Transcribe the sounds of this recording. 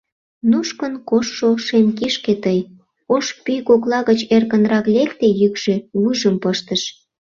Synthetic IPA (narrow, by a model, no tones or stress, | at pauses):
nuʃkənkoʃːoʃemkiʃket̪əj | oʃpyjkoklɑɣət͡ɕerkənɾɑklekt̪ejykʒ̥ewuʒəmpəʃt̪əʃ